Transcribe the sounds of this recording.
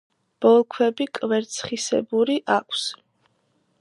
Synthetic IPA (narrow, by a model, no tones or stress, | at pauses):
b̥ɔlˠkʰwɛbikʼvɛɾt̪sʰχisɛ̰buɾiʔakʷʰs